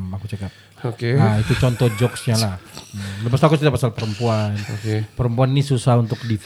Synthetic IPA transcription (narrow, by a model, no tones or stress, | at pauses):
makut͡ʃakap̚ | okeait̪ut͡ʃɔnt̪ɔd͡ʒɔksɲalahləpast̪akʊskit̪apasalpəɾəmpuanokepəɾəmpuannisusaɦunt̪ʊk̚dif